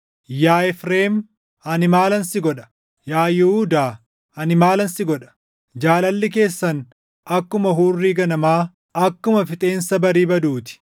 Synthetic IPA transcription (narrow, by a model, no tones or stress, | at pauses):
jaːɛfɾeːm | ɐnɪmaːlɐnsɪɡɔᶑɐ̥ | jaːjɪhud̪aː | ɐnɪmaːlɐnsɪɡɔᶑɐ̥ | d͡ʒaːlɐlːɪke̞ːsːɐn | ɐkːʊmɐɦuːrːiːɡɐnɐmaː | ɐkːʊmɐfɪt̪ʼe̞ːnsɐbɐɾiːbɐd̪uːt̪ɪ̥